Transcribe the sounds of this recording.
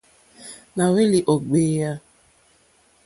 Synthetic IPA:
na˨we˦li˨ʔo˨ɡ͡beː˦ja˦

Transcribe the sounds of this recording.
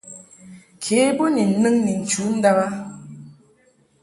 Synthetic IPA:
kʰe˨˦bo˦ni˨n̩˨˦nɨ˦ŋni˨n̩˨t͡ʃu˨˦n̩˦da˦ɣa˦

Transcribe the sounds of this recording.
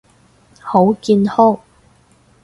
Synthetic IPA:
ho˨˥wkiː˧nhɔ˥˩

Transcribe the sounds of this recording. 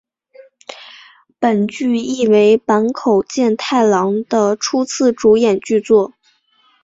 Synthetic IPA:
pə˨˩nt͡ɕy˥˧i˥˩we˧˥ɪpa˧˥nkʰo˨˩ʊt͡ɕjɛ˥˧nt̪ʰa˥˩ɪlɑ˧˥ŋd̪ə˧ʈ͡ʂʰu˥t͡sʰɹ̩˥˩ʈ͡ʂu˧˥jɛ˨˩nt͡ɕy˥˧t͡swɔ˥˩

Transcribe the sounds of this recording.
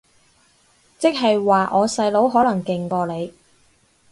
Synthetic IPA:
t͡sɪ˥k̚ɦɐ˨jwaː˨ʔɔː˨˧sɐ˧jlo˨˥wɦɔː˨˥lɐ˨˩ŋkɪ˨ŋkɔː˧le˨˧j

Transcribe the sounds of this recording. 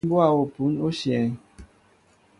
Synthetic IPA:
bwa˦˨o˨pu˨˦no˦ʃjɛ˨ŋ

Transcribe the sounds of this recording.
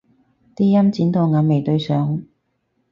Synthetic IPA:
t̪iː˥jɐ˥mt͡siː˨˥nt̪o˧ŋaː˨˧˥me˨jt̪ɵ˧ɥsœː˨˥ŋ

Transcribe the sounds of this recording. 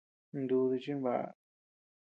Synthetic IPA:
nd̪u˧ði˧t͡ʃi˦βa̰˨ʔa̰˧

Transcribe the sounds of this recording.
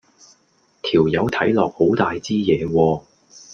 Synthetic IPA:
t̪ʰiː˨˩wjɐ˨˧wt̪ʰɐ˨˥jlɔː˨k̚ho˨˥wt̪aː˨jt͡siː˥jɛː˨˧wɔː˧

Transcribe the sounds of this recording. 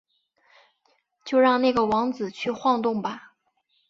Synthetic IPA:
t͡ɕjo˥˧ʊɻɑ˥˧ŋna˥˩ɡə˩wɑ˧˥ŋt͡sɹ̩˨˩t͡ɕʰy˥˧xwɑ˥˧ŋt̪ʊ˥˩ŋbɐ˩

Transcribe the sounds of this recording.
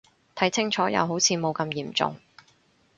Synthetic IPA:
t̪ʰɐ˨˥jt͡sʰɪ˥ŋt͡ʃʰɔː˨˥jɐ̰˨˧wɦo˨˥wt͡sʰiː˨˧mo˨˧wkɐ˧mjiː˨˩mt͡sʊ̰˨ŋ

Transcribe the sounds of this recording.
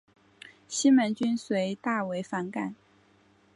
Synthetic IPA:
ɕi˥nmə˧˥nt͡ɕy˥nswe˧˥ɪt̪a˥˩we˧˥ɪfa˧˥nka˨˩˦n

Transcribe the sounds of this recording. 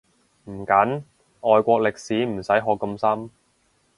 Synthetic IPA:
m̩˨˩kɐ˨˥n | ʔɔː˨jkʷɔː˧k̚lɪ˨k̚siː˨˥m̩˨˩sɐ˨˥jɦɔː˧kːɐ˧msɐ˥m

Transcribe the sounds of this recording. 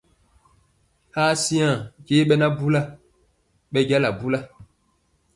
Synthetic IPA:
haː˦si˦ã˦˨ke˦ɓɛ˦na˦bu˦la˦ | ɓɛ˦ɟa˦la˨bu˦la˦

